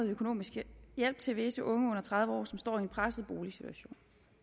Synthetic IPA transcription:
ð̩ˠøkʰo̝no̝̰ːmisɡ̥əjel̰b̥̚t͡sʰe̝ʋe̝səʔɔ̽ŋəɔ̽n̰ɐt͡sʰʁɑ̈ð̞ˠʋəɒ̰ːsɒ̽msd̥ɒ̰ːie̝npʰʁasð̩ˠb̥o̝ːlisit͡sʰuæɕo̝̰ːn

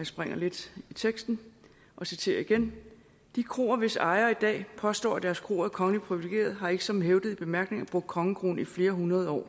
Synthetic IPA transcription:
sb̥ʁeŋ̰ɐle̝d̥it͡sʰeɡ̥sd̥n̩ | ʔɒ̽sit͡sʰe̝̰ːɐiɡ̥en | d̥ikʰʁo̝̰ːɐʋe̝sɑ̈ɪɐid̥ɛ̰ːpʰɒ̽sd̥ɒ̰ːæd̥æɐskʰʁo̝̰ːɐðkʰɒ̽ŋəlipʰʁiʋileɡ̥e̝̰ːɐð̞ˠɦɑ̈e̝ɡ̥əsɒ̽m̩ɦeʊd̥ð̩ˠib̥e̝mæɐɡ̥ne̝ŋæb̥ʁɔ̽ɡ̥̚kʰɒ̽ŋəkʰʁo̝̰ːnifle̝ːɐɦunʁɐðˠɒ̰ː

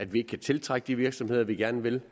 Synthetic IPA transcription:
æd̥ʋie̝ɡ̥ə̥kʰæt͡sʰe̝lt͡sʰʁɑɡ̥əd̥iʋiɐɡ̥sɒ̽mhe̝ð̰ˠɐʋiɡ̥æɐnəʋe̝l

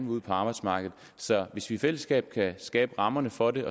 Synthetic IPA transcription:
nʋuð̰ˠpʰɒɑ̈ːb̥ɑ̥̈smɑ̈ːɡ̥ð̞̩ˠsɒ̽ʋe̝sʋifel̰əsɡ̥ɛ̰ːb̥kʰæsɡ̥ɛ̰ːb̥əʁɑ̈mɐnəfɒ̽de̝ʔɒ̽

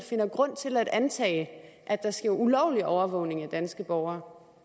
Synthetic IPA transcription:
fe̝nɐɡ̥ʁɔ̽n̰t͡sʰe̝læɾ̥ænt͡sʰɛ̰ːɪʔæd̥ɑ̈sɡ̥eɐ̰ulɒʊ̰liɒʊɐʋɔ̽ʊne̝ŋæd̥ænsɡ̥əb̥ɒʊɐː

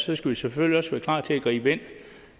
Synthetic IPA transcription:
sɒ̽sɡ̥æʋiseføljiɒ̽sʋæɐkʰlɑ̰̈ːt͡sʰe̝æɡ̥ʁḭːb̥əe̝n̰

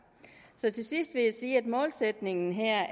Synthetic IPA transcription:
sɒ̽t͡sʰe̝sisd̥ʋe̝jæsiːæd̥mɔ̽ːlsed̥ne̝ŋn̩ɦeɐ̰

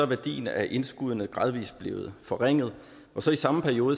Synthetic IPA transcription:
ɒ̽ʋæɐd̥ḭːnæʔe̝nsɡ̥uðˠənəɡ̥ʁɑ̈ːð̞ˠʋḭːsb̥le̝ːʊð̩ˠfɒ̽ʁeŋ̰ð̞̩ˠ | ʔɒ̽sɒ̽isɑ̈məpʰæɐijo̝ːðˠə

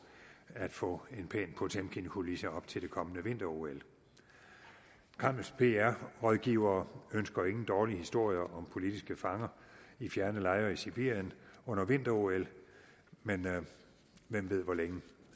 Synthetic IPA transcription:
æd̥fɔ̰̽ːe̝npʰɛ̰ːnpʰɒ̽t͡sʰemkʰinkʰulisəɒ̽b̥̚t͡sʰe̝ld̥e̝kʰɒ̽mənəʋe̝n̰d̥ɐo̝el | kʰɑ̈m̰l̩spʰe̝æɐ̰ʁɒðˠɡ̥iːʊ̰ɐːønsɡ̥ɐe̝ŋn̩d̥ɒːlihisd̥o̝ɐ̰jɐʔɒ̽mpʰo̝lid̥isɡ̥əfɑ̈ŋɐifjæɐnəlɑ̈ɪɐisib̥iɐ̰jənɔ̽n̰ɐʋe̝n̰d̥ɐo̝el | men | ʋem̰ʋe̝ð̞̰ˠʋɒleŋə

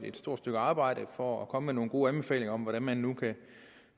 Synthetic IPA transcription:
e̝d̥sd̥o̝ɐ̰dsd̥øɡ̥əɑ̈ːb̥ɑ̈ɪ̰ɾəfɒɒkʰɒ̽məmeno̝ːn̩ɡ̥o̝̰ːænb̥e̝fɛ̰ːle̝ŋɐɒ̽mʋɒɾænmænːukʰæ

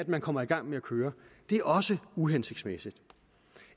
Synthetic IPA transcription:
æd̥mænkʰɒ̽m̰ɐiɡ̥ɑ̈ŋ̰meækʰøːɐd̥e̝æɐʔɒ̽səuɦense̝ɡ̥smesid̥

